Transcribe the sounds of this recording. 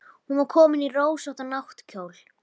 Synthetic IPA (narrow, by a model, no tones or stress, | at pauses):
hunvaɾkʰɔːmɪniroːwsaht̪anawht̪cʰoːwl